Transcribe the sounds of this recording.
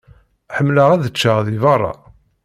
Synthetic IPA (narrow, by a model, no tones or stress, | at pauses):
ħəmːləʁæðət͡ʃːəʁðivɑrˤːɑ̰